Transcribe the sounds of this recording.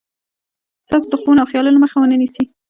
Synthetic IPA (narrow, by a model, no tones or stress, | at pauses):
t̪ɑsod̪əxunoawxjɑlunaməxawənənisi